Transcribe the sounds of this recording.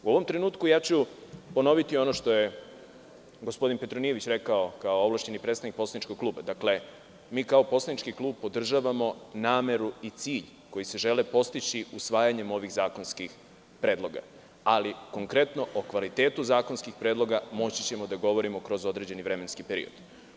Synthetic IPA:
uo̞ʋo̞mt̪ɾe̞nuːt̪kujaːt͡ɕupo̞no̞ʋit̪io̞no̞ʃt̪o̞je̞ | ɡo̞spo̞d̪inpe̞t̪ɾonijeʋit͡ɕɾe̞kao̞kaooʋlˠaʃe̞nipɾet̪st̪anik̚po̞slanit͡ʃkoɡ̚klˠuːbad̪akle̞ | miːkao̞po̞slanit͡ʃkiklˠuːb̚po̞d̪r̩ʒaːʋamo̞naːme̞ɾuit̪siːʎ | ko̞jise̞ʒe̞lepo̞st̪it͡ɕiusʋaːjaɲe̞mo̞ʋiɣzaːko̞nskix | pɾe̞ːd̪lˠo̞ɡa̰ | aliko̞ŋkɾe̞t̪no̞ʔokʋalit̪e̞ːt̪uzaːko̞nskixpɾed̪lˠo̞ɡamo̞t͡ɕi̥t͡ɕe̞mo̞d̪aɡo̞ʋo̞ɾimo̞kɾo̞zo̞d̪ɾe̞d͡ʑe̞niʋɾe̞me̞nskipe̞ɾḭo̰d̪

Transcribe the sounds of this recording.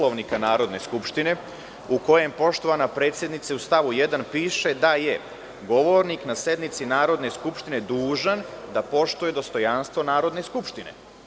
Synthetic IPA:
loʋnikanaːɾo̞d̪ne̞skupʃt̪ine̞ | uko̞je̞mpo̞ʃt̪o̞ʋanapɾe̞ːt̪sje̞d̪nit̪seust̪aʋujed̪anpiːʃe̞d̪aje | ɡo̞ʋo̞ɾniknasje̞d̪nit̪sinaːɾo̞d̪ne̞skupʃt̪ine̞d̪uːʒand̪apo̞ʃt̪uje̞d̪o̞st̪o̞janst̪ʋo̞naːɾo̞d̪ne̞skupʃt̪ine̞̰

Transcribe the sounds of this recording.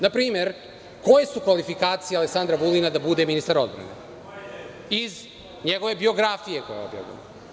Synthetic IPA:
napɾiːme̞ɾ | ko̞jesukʋalifikaːt̪sijaleksand̪ɾabulˠinad̪abud̪e̞minist̪aɾo̞d̪bɾa̰nḛ | iz | ɲeɡo̞ʋe̞bio̞ɡɾafijekojeo̰bja̰ʋḭno

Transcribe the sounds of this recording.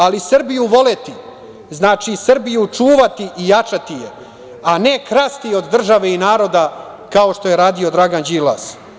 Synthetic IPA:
alisrbijuʋo̞let̪i | znaːt͡ʃisr̩bijut͡ʂuːʋat̪iʔijat͡ʂat̪ije | ane̞kɾast̪io̞d̪ːr̩ʒaʋe̞inaːɾo̞d̪a | kao̞ʃt̪o̞je̞ɾaːd̪io̞d̪ɾaɡand͡ʑila̰s

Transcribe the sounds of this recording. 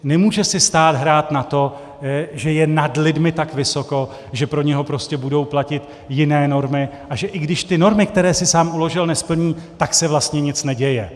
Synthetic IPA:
nɛmuːʒɛsɪst̪aːd̪ɦɾaːt̪nat̪o̞ | ʒɛjɛnadlɪdmɪt̪akvɪso̞ko̞ | ʒɛpɾo̞ɲɛɦo̞pɾo̞scɛbudo̞wplacɪt̪ | jɪnɛːno̞ɾmɪʔaʒɛʔɪɡdɪʃt̪ɪno̞ɾmɪkt̪ɛɾɛːsɪsaːmʔulo̞ʒɪlnɛspl̩ɲiːt̪aksɛvlast̪ɲɛɲɪt͡snɛɟɛjɛ

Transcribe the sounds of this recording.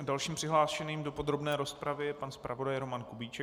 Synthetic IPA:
dalʃiːmpr̥ɪɦlaːʃɛniːmdo̞po̞d̪ɾo̞bnɛːɾo̞spɾavɪɛpanspɾʔavo̞dajɾo̞mankubiːt͡ʃɛ

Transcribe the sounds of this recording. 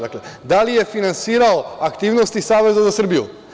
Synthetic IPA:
akled̪alije̞finansiːɾaoakt̪iːʋnost̪isaːʋe̞zazasr̩bijṵ

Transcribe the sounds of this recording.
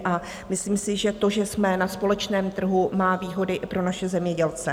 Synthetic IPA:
ʔa | mɪsliːmsɪʒɛt̪o̞ʒɛsmɛnaspo̞lɛt͡ʃnɛːmt̪r̩ɦumaːviːɦo̞dɪʔɪpɾo̞naʃɛzɛmɲɛɟɛlt͡sɛ

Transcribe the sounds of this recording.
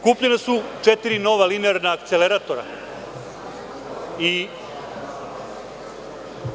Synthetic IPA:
kupʎenasut͡ʂet̪iɾino̞ʋalineaɾnaːkt̪seleɾat̪o̞ɾa̰ | i

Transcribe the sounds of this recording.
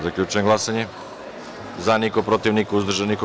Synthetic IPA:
zakʎʲut͡ʃujeŋɡlasaɲe | zanikopɾot̪iʋnikauzd̪r̩ʒaniko

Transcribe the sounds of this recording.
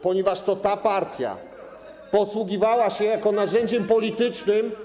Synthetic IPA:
pɔɲɛvaʂt̪ɔt̪apaɾt̪ʲja̰ | pɔswuɡʲivawaɕɛjakɔnaʑɛɲd͡ʑɛmpɔlʲit̪ɘt͡ʂnɘm

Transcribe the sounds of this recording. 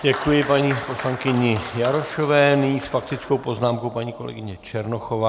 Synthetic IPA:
ɟɛkujɪpaɲiːpo̞slaŋkɪɲɪjaɾoʃo̞vɛːnɪɲiːsfak̚t̪ɪt͡skowpo̞znaːmkowpaɲiːko̞lɛ̰ɡɪɲɛt͡ʃɛɾnoxovaː

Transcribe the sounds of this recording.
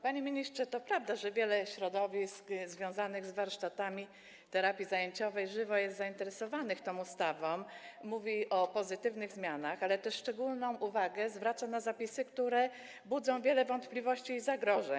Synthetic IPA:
paɲemʲiɲistʂɛt̪ɔpɾavd̪aʐɛvʲjɛlɛɕɾɔd̪ɔvʲiskzvʲjɔ̃w̃zanɘɣzvaɾʂt̪at̪amʲi | t̪ɛɾapʲjizajeɲt͡ɕɔvɛjʐɘvɔjɛst̪zaint̪ɛɾɛsɔvanɘxt̪ɔ̃m̃ust̪avɔ̃mːuvʲiʔɔpɔzɘt̪ɘvnɘɣzmʲjanaxalɛt̪ɛʂʂt͡ʂɛɡulnɔ̃w̃uvaɡɛzvɾat̪sanazapʲisɘkt̪uɾɛ | bud̪zɔ̃w̃vʲjɛlɛvɔnt̪plʲivɔɕt͡ɕiːzaɡɾɔʐɛɲ

